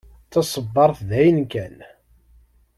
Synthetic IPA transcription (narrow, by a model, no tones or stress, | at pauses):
t͡sːɑsˤəbːɑɾˤθðæjənkæn